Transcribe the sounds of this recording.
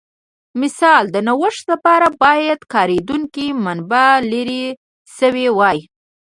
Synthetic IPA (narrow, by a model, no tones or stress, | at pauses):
mɪsɑld̪ənawəʂt̪lapɑɾabɑjad̪kɑɾed̪uŋkimanbaleɾe | səwewɑj